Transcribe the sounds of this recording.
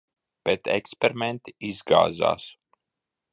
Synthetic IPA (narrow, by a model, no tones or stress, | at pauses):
b̥ɛt̪ɛkspɛɾiment̪iizɡa̰ːza̰ːs